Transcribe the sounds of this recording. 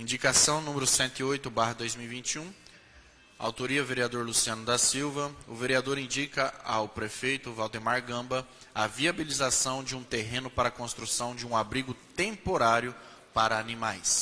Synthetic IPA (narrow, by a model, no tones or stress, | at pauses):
ĩd͡ʒikasɐ̃w̃nũmeɾʊsẽnt̪ʊiojt̪ʊbaɦɐd̪ojzmiwivĩnt͡ʃiũ | a̰wt̪oɾiɐveɾiad̪oɾlusiɐ̃nʊd̪ɐsiwvɐʊveɾiad̪oɾĩnd͡ʒikɐawpɾefejt̪ʊvawd̪emaɾɡɐ̃mbɐ | ɐviabilizasɐ̃w̃d͡ʒɪũt̪eɦẽnʊpaɾɐkõst̪ɾusɐ̃w̃d͡ʒɪũabɾiɡʊt̪ẽmpoɾaɾjʊ | paɾɐːnĩmajs